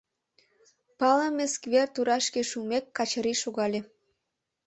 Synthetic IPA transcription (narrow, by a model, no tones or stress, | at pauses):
pɑləmʲeskβert̪uɾɑʃkeʃumekːɑt͡ɕəɾiʃoɣɑlʲe